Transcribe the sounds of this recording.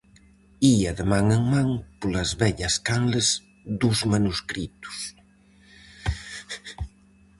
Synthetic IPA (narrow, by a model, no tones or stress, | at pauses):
iaðəmaŋəŋmaŋpolɐzβɛʎɐskanləz | d̪uzmanuskɾit̪u̥s